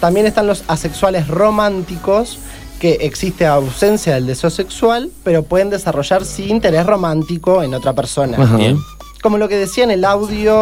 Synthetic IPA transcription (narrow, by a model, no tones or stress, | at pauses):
t̪ambjenest̪anlo̞sasekswalesro̞mãnt̪iko̞s | keʔːksist̪eawsensjaðeld̪esose̞kswalpe̞ɾopweð̞e̞nd̪e̞saro̞ʒaɾsiːnt̪e̞ɾesro̞mãnt̪iko̞eno̞t̪ɾapeɾso̞na̰ | ko̞mo̞loke̞ðesiaenelawðjo